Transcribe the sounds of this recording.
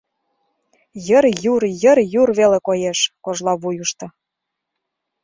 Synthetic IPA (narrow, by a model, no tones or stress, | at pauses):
jəɾjuɾjə̆rjurβelekojeʃkoʒlɑβujuʃt̪ɤ̆